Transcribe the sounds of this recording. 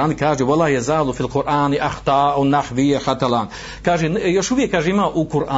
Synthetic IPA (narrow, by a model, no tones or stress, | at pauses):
ʔaːnikaːʒiwalaːjazaːlufilqʊɾʔaːniʔaxt̪ɑːʔawnaħwijaħat̪alaːn | kaːʒinjɐʃubikaʒimaʔuːqʊɾʔaː